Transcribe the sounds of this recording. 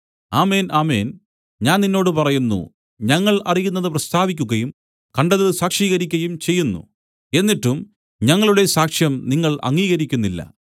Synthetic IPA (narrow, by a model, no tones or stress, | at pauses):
aːme̞ːnaːmḛːn | ɲaːnninːo̞ːɽɨpɐrɐjunːṵ | ɲɐŋːɐɭɐ̰rijunːɐðɨprɐst̪ʰaːʋikʲːuɣɐjum | kɐɳɖɐðɨsaːkʂiːɣɐɾikʲːɐjumt͡ɕe̞jːunːṵ | e̞nːiʈːum | ɲɐŋːɐɭuɽe̞saːkʂjɐmniŋːɐɭʔɐ̰ŋːiːɣɐɾikʲːunːilːɐ̰